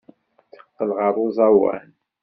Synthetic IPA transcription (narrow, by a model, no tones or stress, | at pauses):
θə̥q̪ːəlʁəɾˤuzˤɑwæ̰n